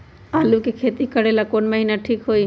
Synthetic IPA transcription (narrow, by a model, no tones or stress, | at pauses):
aːlukekʰeːt̪ikəɽelakoːnməɦinaʈʰiːkɦoːi